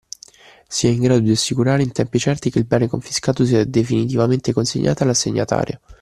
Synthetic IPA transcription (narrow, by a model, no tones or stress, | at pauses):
siɛiŋɡɾaːd̪od̪iasːikuɾaːɾeint̪ɛmpit͡ʃɛrt̪ikeilbɛːnekoɱfiskaːt̪os̬iːad̪efinit̪ivament̪ekonsḛɲːa̰ːt̪oalaseɲːa̰t̪a̰ːɾja̰